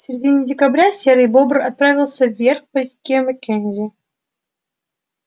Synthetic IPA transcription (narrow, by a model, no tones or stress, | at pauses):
sʲɪɾʲɪdʲinʲɪdʲɪkabɾʲasʲeɾɨjbobrɐt̪̚pɾavʲɪlˠsʲəvʲːerxpɐkʲiməkʲenʲzʲɪ